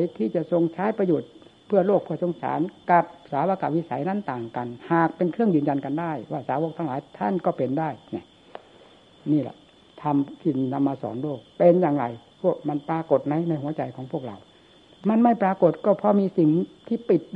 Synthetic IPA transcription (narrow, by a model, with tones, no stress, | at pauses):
jt̪ʰiː˧˩t͡ɕa˨˩ʔso˧ŋt͡ɕʰaː˦˥˨jpa˧joː˨˩t̪̚pʰɯː˥˩ɐloː˥˩k̚pʰɯ˥˩ɐso˧˦ŋsa̰ː˨˦nka˧p̚saː˨˦waː˧ka˧˩wi˧˥sa˨˦jna˧˥˨nt̪aː˨˩ŋka˨nhaː˨˩k̚pe˧nkʰɾɯ˥˩əŋjɯː˧˨nja˧nka˧ndaː˥˩jwaː˧˩saː˨˦wo˧˥k̚t̪ʰa˧ŋlaː˨˦jt̪ʰa˧˥˩nkɔː˧˩pe˨ndaː˧˥˩jna˧˩ | niː˧˩la̰˧˩ʔ | t̪ʰa˧mt̪ʰiː˧˩na˧mːaː˧sɔ̰ː˨˦nloː˥˩k̚pe˧njaː˨˩ŋɾa̰˨˧˩jpʰu˥˧˩k̚ma˧˥npɾaː˧ko˨˩t̪̚na˧˥jna˧˩jhu˩˦ɐt͡ɕa˧jkʰɔː˨˦ŋpʰu˥˩ək̚la̰˨˧˩w | ma˧˥˨nma˥˩jpɾaː˧ko˨˩t̪̚kɔː˧˩pʰɔ˧˥miː˧si˨˩ŋt̪ʰiː˧˩pi˨˩t̪̚